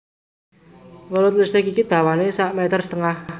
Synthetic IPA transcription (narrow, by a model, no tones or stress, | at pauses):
wəlʊt̪̚list̪ɪkikid̪̥a̤wanesaʔmɛt̪ərsə̥t̪əŋah